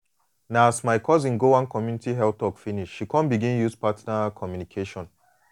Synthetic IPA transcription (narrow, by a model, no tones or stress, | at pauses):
naasmaɪkʰɔzĩnɡowãnkɔmjunitiɦɛl̚tɔkfiniʃːikʰɔ̃nbiɡĩnjuspatnakʰɔmjunikʰeʃɔ̃n